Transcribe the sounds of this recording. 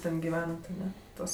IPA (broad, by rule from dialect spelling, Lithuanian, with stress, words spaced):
ˈtʲɛn ɡʲɪˈʋʲæːnɐt ɐˈnʲɛ ˈtuɔs